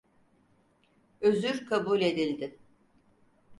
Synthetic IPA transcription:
øzyɾkʰabuːlʲe̞d̪ilʲd̪ɪ

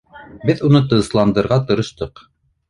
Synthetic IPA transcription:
bɘðunɤt̪̬ɤ̆ɤslˠɑnd̪ɤ̆ɾʁɑt̪ɤ̆ɾɤ̆ʃt̪ɤq

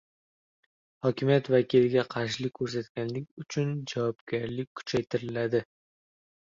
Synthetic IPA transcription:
hɒkʲɪmijat̪vakʲilɪɡʲaqʰɑɾʃlɪkʲʰːɵɾs̬at̪ɡʲanlɪkʲʊt͡ʃʰʊnd͡ʒavɒbɡʲaɾlɪkʲkʰːʊ̥t͡ʃʰajt̪ʰɪɾɪlad̪ɪ

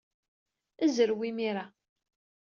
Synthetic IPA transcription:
əzəɾwimiɾa

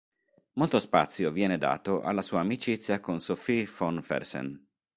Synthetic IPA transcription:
molt̪ospa̰t̪sːjovjɛːned̪a̰ːt̪oʔa̰lːasuːaːmit͡ʃit̪sːjakonsofifonfɛ̰rsɛ̰n

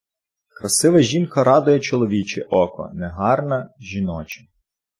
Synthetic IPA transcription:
kɾɐsɪʋɐʒʲinkɐɾɑd̪ʊjɛt͡ʃɔlˠɔʋʲit͡ʃɛ̰ʔɔkɔ̰nɛɦɑrnɐʒʲinɔt͡ʃɐ̥

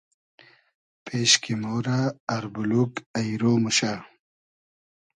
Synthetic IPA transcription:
pʰeɕkimoːɾaːɾbulukɐjɾoːmuɕa

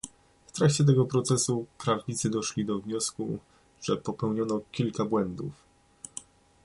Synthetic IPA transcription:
ft̪ɾakt͡ɕɛt̪̬ɛɡɔpɾɔt̪sɛsupɾavɲit̪sɘd̪ɔʂlʲid̪ɔvɲɔsku | ʐ̥ɛpɔpɛwɲɔnɔkʲilkabwɛnd̪uf

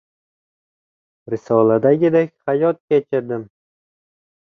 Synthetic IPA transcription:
ɾɪsɒlˠad̪aɡʲɪd̪akʲχajɒt̪̚kʲet͡ʃʰɪɾd̪ɪm

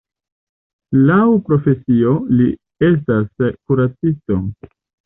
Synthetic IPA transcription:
lawpɾo̞fe̞sio̞li | e̞s̬taskuɾat͡sisto̞

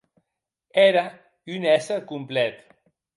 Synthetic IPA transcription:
ɛɾa | ynɛsəkumplɛt̪

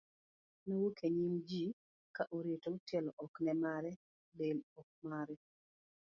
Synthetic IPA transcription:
nowokʰeɲimd͡ʒi | kaʔoɾetotelɔʔɔknɛmaɾɛ | belɔk̚maɾɛ

